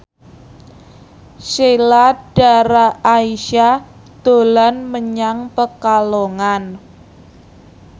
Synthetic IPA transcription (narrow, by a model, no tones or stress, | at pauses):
ʃelad̥aɾaaiʃa | d̪̥o̤lanməɲaŋpəkaloŋan